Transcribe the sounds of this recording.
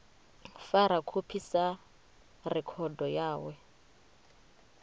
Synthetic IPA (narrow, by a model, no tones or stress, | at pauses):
faɾakʰupʰisa | rɛkʰɔdɔjaːwɛ